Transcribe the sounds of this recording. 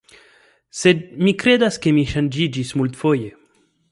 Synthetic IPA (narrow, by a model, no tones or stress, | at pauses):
sed̪̚mikɾed̪askemiʃand͡ʒid͡ʒismult̪foje